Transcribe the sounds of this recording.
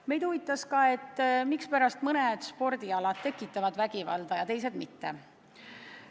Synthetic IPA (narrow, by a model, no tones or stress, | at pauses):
me̞jd̪̥uvit̪ːˑɑskɑe̞t̪ːmikspæɾɑst̪mɤned̪̥spo̞ɾd̪̥iɑlɑt̪t̪ːekːˑit̪ːˑɑvɑd̪væɡivɑ̰ld̪̥ɑjɑt̪e̞js̬e̞d̪̥mit̪ːḛ